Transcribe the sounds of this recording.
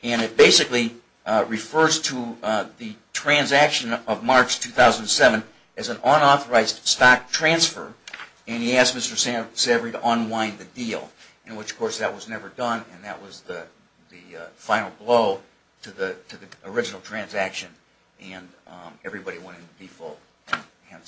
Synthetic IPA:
ɨ̃ñɨt̚b̥eɪsɨkli | ɹɨfɜ˞z̥tʰəðɨtʰɹ̥æ̃nzækʃɨ̃nʌvmɑɹt͡ʃtʰʉθaʊzə̃ndn̩sɛvə̃n | ɨz̃n̩ə̃nɔθə˞aɪzd̥stɑk̚tʰɹ̥æ̃nsfə̰˞ | ɨ̃niæskmɪstə˞ssɛvə˞iɾəʔə̃nwãɪ̃nðɨdilˠ | ɨ̃nwət͡ʃkʰɔɹsðɨʔ̚wʌznɛvə˞dʌ̃nɨ̰̃nðɨ̰ʔ̚wʌzðɨ | ðɨfãɪ̃nl̩ˠbloʊ | ɾɨðiɾʰɨðiə˞ɪd͡ʒɨnl̩ˠtʰɹ̥æ̃nzækʃɨ̃n | ɨ̃nɛvɹibɑɾiwɛ̃ɾ̃ɨ̃nɨdifɪ̰lˠ | ɨ̃nhɛ̃n

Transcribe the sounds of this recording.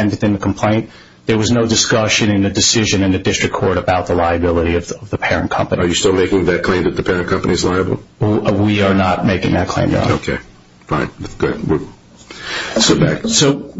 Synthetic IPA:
ɨ̃nwɨθɪ̃nðɨkʰm̩pʰl̥ẽɪ̃n | ðə˞wʌznoʊdɨskʌʃɨ̃nɨ̃nðɨdɨsɪʒɨ̃nɨ̃nðɨdɪstɹ̥ɨkʰɔɹɾɨbaʊt̪̚ðəlaɪɨbɪlˠəɾiʌvʌvðəpʰɛɹɨ̃nkʰʌ̰̃mpɨniə˞jɨstɪlˠmeɪkɪ̃ŋðɨt̚kʰl̥ẽɪ̃mðɨt̪̚ðɨpʰɛɹɨ̃nkʰʌ̃mpəniɨzlaɪɨbl̩ˠwiə˞nət̚meɪkɪ̃ŋðɨt̚kʰl̥ḛ̃ɪ̃mɡã̰oʊkʰeɪ | fãɪ̃nɡ̥ʊ̰d̥̚wi | stɪbæksoʊ

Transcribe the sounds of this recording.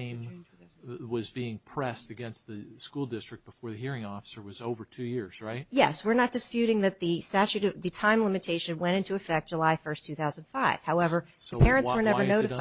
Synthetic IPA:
ɪ̃m | wʌzbiɪ̃ŋpʰɹ̥ɛstɨɡɛ̃nst̪̚ðɨskulˠdɪstɹ̥ɨk̚b̥əfɔɹðɨɦiɹɪ̃ŋɔfə̥sə˞wʌzoʊvə˞tʰʉjɪɹz̥ɹaɪt̚jɛswɨɹnɨt̚d̥ɨspjʉɾɪ̃ŋðɨt̪̚ðɨstæt͡ʃʉɾðɨtʰãɪ̃mlɪ̃mɨtʰeɪʃɨ̃nwɛ̃ɾ̃ɪ̃ntʉɨfɛk̚d̥ʒ̥əlaɪfɜ˞stʰʉθaʊz̃n̩dfaɪv̥haʊɛvə˞ðɨpʰɛɹɨ̃nswə˞nɛvə˞noʊɾɨ

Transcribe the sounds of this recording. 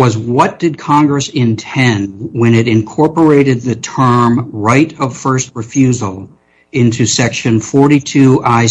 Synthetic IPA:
ʌzwʌt̚d̥ɨd̚kʰɑ̃ŋɡɹɨsɪ̃ntʰɛ̃nd̚wɨ̃nɨɾɨ̃nkʰɔɹpə˞eɪɾɨd̪̚ðɨtʰɜ̃˞mɹaɪɾʌv̥fɜ˞st̚ɹɨfjʉzl̩ˠ | ɪ̃ntʰʉsɛkʃɨ̃nfɔɹɾitʰʉʔaɪ

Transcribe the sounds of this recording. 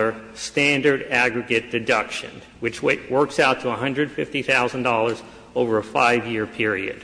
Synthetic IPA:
ə˞stæ̃ndə˞ɾæɡɹɨɡɨt̚d̥ɨdʌkʃɨ̰̃n | wɨt͡ʃweɪʔwɜ˞ksaʊtʰəəɦʌ̃ndɹɨd̥fɪftiθaʊzə̃n̩dɔlˠə˞z | oʊvə˞əfa̰ɪvjɪɹpʰɪɹiɨ̰d̥

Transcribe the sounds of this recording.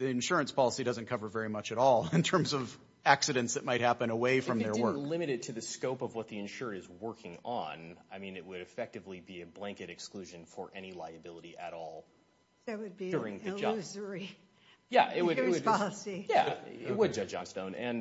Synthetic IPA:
ðiɨ̃nʃʊɹɨ̃nspʰɑlˠəsidʌzɨ̃n̩kʰʌvə˞vɛɹimʌt͡ʃɨɾɔlˠɪ̃ntʰɜ̃˞mzʌv | æksɨɾɨ̃ntsðɨt̚maɪt̚hæpɨ̃nəweɪfɹɹʌ̃mðə˞wɜ˞lɪ̃mɨɾɨd̚tʰɨðɨskoʊpʌvwʌt̪̚ðiɨ̃nʃʊɹɨɾɨzwɜ˞kʰɪ̃ŋə̃naɪmĩnɨt̚wɨɾɨfɛk̚tɨvlibiɨblæ̃ŋkɨɾɨksklʉʒɨ̃nfə˞ʔɛñilaɪɨbɪlˠəɾiʔɨɾɔlˠ | wɨd̚bʊɹɪ̃ŋðɨzə˞i | jæ̰ʔɪt̚wɨɾɪwɨɑlˠəsijæ̰ɪt̚wɨd̚d͡ʒʌd͡ʒɑ̰̃nstõʊ̃nɨ̃n

